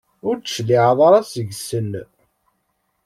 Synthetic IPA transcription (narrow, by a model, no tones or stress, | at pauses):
ʊɾd̪ʃliʕðˤɑɾˤɑsəʝsən